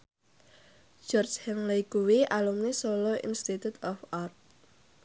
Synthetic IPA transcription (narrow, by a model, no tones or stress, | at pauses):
d͡ʒɔrd͡ʒhɛnlajɡ̥uwiʔalumnesolɔʔḭnst̪it̪ut̪ɔfart̪̚